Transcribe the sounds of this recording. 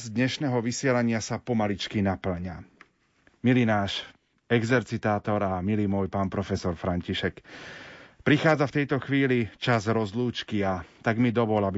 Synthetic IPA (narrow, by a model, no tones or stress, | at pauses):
zd̪ɲɛʃnɛːɦɔʋisɪɛlaɲɪasapɔmalit͡ʃkinapl̩ɲa | milinaːʃ | ɛɡzɛɾt͡sit̪aːt̪ɔɾamilimʊɔjpaːnpɾɔfɛsɔɾfɾaɲciʃɛk | pɾixaːd͡zaft̪ɛjt̪ɔxʋiːlit͡ʃazɾɔzluːt͡ʃkiat̪aɡmid̪ɔʋɔlabi